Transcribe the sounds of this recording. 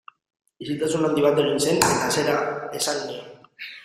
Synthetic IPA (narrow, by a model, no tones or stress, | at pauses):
isilt̪asunand̪iβ̞at̪eɾinse̞nease̞ɾaesanːio